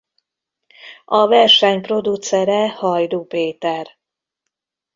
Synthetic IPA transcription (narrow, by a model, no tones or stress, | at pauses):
ɒvɛrʃɛɲpro̞d̪ut̪sɛɾɛhɒjd̪uːpeːt̪ɛr